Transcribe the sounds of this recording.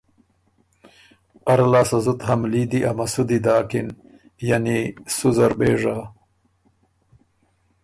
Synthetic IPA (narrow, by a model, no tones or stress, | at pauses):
ɐɾalaːsɐzut̪hamlid̪iʔamasud̪id̪aːkin | janisuzɐɾbeːʐa